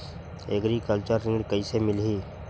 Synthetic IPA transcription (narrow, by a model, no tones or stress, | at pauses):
ḛɡɾikəlt͡ʃəɾːɪ̃ŋɡkəisemɪlɦiː